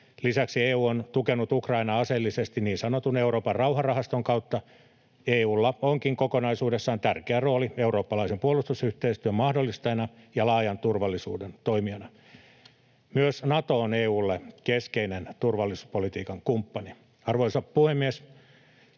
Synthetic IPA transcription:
lisæksieːuːont̪ukenut̪ukrɑinɑɑselːisest̪iniːnsɑnot̪uneuɾoːpɑrrɑuhɑrɑhɑst̪oŋkɑut̪ːɑ | eːuːlːɑoŋkiŋkokonɑisuːdesːɑːnt̪ærkeæroːlieuro̞ːpːɑlɑisempuolust̪usyht̪eist̪yømɑhdolːist̪ɑjenɑjɑlɑːjɑnt̪urʋɑlːisṵːdent̪oimiɑnɑ | myøsnɑt̪oːneːuːlːekeskeinent̪urʋɑlːisu̥polit̪iːkɑŋkumpːɑni | ɑrʋoisɑppuhemːies

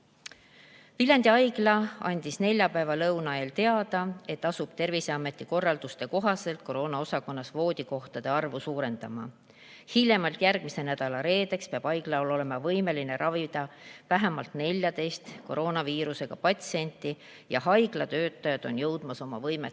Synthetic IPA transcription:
vilʲɑnd̪iɑjɡ̥lɑɑ̰nʲd̪̥isne̞lʲjɑpæevɑlɤwnɑe̞ːlt̪e̞ɑd̪̥ɑe̞t̪ːɑsub̥t̪e̞rvise̞ɑmːe̞t̪ːˑiko̞rːɑld̪̥ust̪e̞ko̞ɦɑse̞lt̪̚ko̞ɾo̞ːnɑo̞sɑko̞nːɑsvo̞ːd̪̥ʲiko̞ht̪ɑd̪̥e̞ɑrvusuːɾe̞nd̪̥ɑmɑ̰ | hilʲjemɑlt̪jærɡ̥mise̞næd̪̥ɑlɑɾe̞ːd̪e̞kspeɑb̥ɑjɡ̥lɑolo̞le̞mɑvɤjme̞line̞ɾɑvid̪̥ɑvæɦe̞mɑlt̪ne̞lʲjɑd̪e̞jst̪ko̞ɾo̞ːnɑviːɾuse̞ɡ̥ɑpɑt̪sie̞nʲt̪ːˑi | jɑ̰hɑjɡ̥lɑt̪øːt̪ːˑɑjɑd̪̥o̞njɤwd̪̥mɑso̞mɑ̰vɤjme

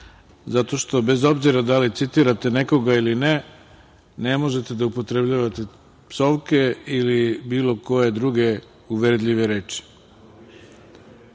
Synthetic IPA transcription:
zat̪o̞ʃt̪o̞be̞zo̞bziɾad̪alit̪sit̪iɾat̪e̞neko̞ɡailine | ne̞mo̞ʒe̞t̪e̞d̪aupo̞t̪ɾe̞bʎaʋat̪e | pso̞ʋke̞ilibiːlo̞ko̞je̞d̪ɾuɡe̞ | uʋeɾd̪ʎʲiʋe̞ɾe̞ːt͡ʃi̥

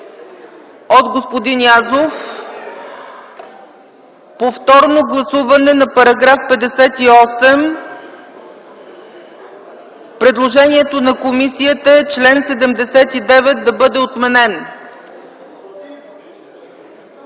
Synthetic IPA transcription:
ot̪ɡospod̪injazof | poft̪ɔɾnoɡlˠɐsuvɐnɛnɐpɐɾɐɡɾafpɛd̪ɛsɛt̪iɔsɛm | pɾɛd̪lˠoʒɛniɛt̪onɐkomisiət̪əɛt͡ʃlɛnsɛd̪ɛmd̪ɛsɛt̪id̪ɛvɛt̪̚d̪ɐbɤd̪ɛot̪mɛnɛn

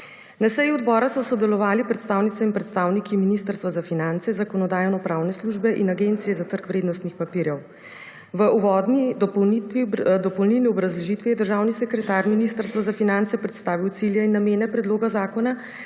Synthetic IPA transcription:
nasɛjuɔd̪bɔːɾasɔsɔd̪ɛlɔʋaːlipɾɛt̪st̪aːwnit̪ɛinpɾɛt̪st̪aːwnikiminiːst̪əɾst̪ʋazafinant̪sɛzakɔnɔd̪aːjɔnɔpɾawnɛsluʒbɛʔinaɡeːnt̪sijɛzat̪əɾkʋɾed̪nɔst̪nixpapiːɾjɛw | ʋəʔuʋɔːd̪nid̪ɔɔwniid̪ɔpɔwlniwniɔbɾazlɛʒit̪ʋɛjɛd̪əɾʒaːwnisɛkɾɛt̪aːɾminiːst̪əɾst̪ʋazafinant̪sɛpɾɛt̪st̪aːʋiwt̪siljainːameːnɛpɾɛd̪loːɡazaːkɔna

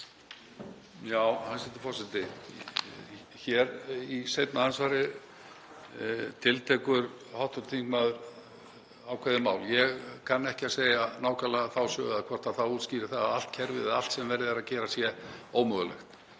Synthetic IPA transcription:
jaːwhansɛt̪ɪ̥ɾ̥fɔrsɪt̪ɪ | çɛɾisejt̪nahansvaːɾɪ | t̪ʰɪlt̪ʰɛkʏɾ | hawht̪ʏɾt̪ʰiŋkmaðʏɾ | aːwkʰvɛðɪmaːwljɛɣkʰanːɛhcɪaseːjanaːwkalaθawsœ̰ːɣakʰvɔr̥t̪aθauːt̪sciːɾɪ̥θaðal̥t̪cʰɛɾvɪðɪal̥t̪sɛmvɛɾðɪɛɾaðcɛːɾasjɛoːwmœðʏlɛ̰xt̪

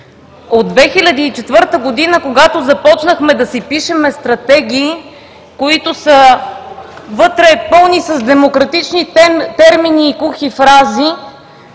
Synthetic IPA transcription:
od̪d̪vɛxilʲɐd̪iːt͡ʃɛt̪vɤɾt̪əɡod̪inəkoɡat̪ozɐpɔt͡ʃnəxmɛd̪ɐsipiʃɛmɛst̪ɾɐt̪ɛɡiː | koit̪ʊsə | vɤt̪ɾɛpɤlˠnisɐzd̪ɛmokɾɐt̪it͡ʃnit̪ɛɾminiːkuxifɾazi

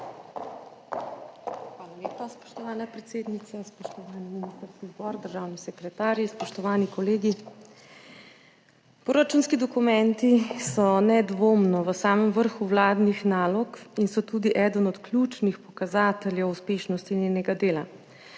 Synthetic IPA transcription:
xʋaːlaleːpaspɔ̥ʃt̪ɔʋaːnapɾɛt̪seːd̪nit̪saspɔʃt̪ɔʋaːniminiːst̪əɾskizbɔːɾd̪əɾʒaːwnisɛkɾɛt̪aːɾjispɔʃt̪ɔʋaːnikɔleːɡi | pɾoɾat͡ʃuːnskid̪ɔkumɛnt̪isɔnɛd̪ʋoːmnɔʋəsaːməmʋəɾxuwlaːd̪nixnaːlɔkinsɔt̪uːd̪iʔɛd̪ənɔt̪klʲjuːt͡ʃnixpɔkazaːt̪ɛljɛwuspeːʃnɔst̪ineːnɛɡad̪eːla

